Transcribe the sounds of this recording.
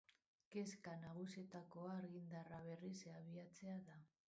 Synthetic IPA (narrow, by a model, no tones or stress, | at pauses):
ke̞skanaɣ̞usie̞t̪ako̞aːɾɣind̪araβe̞riseaβiat͡se̞aða